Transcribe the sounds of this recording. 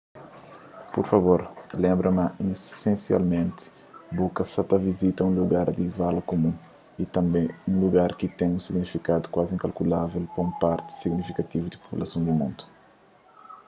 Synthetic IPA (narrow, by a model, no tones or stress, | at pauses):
poɾfɐvoɾlẽmbɾɐmɐʔĩsẽsia̰lmẽnt̪i̥ | bukɐsɐt̪ɐvizit̪ɐũluɡaɾd̪ivalɐkomũ | it̪ɐ̃mbẽjũluɡaɾkit̪ɛ̃jũsiɡnifikad̪u̥kwazĩŋkɐlkulavɛlpɐũmpaɾt̪i̥siɡnifikɐt̪ivud̪ipo̥pulɐsõnd̪umṵ̃nd̪u̥